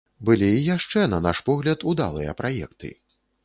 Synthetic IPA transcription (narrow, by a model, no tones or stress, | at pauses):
bɨlʲiːjaʂt͡ʂɛnɐnaʂpɔɣlʲɐt̪ud̪a̰lˠɨjɐ̰pɾajɛ̰kt̪ɨ̰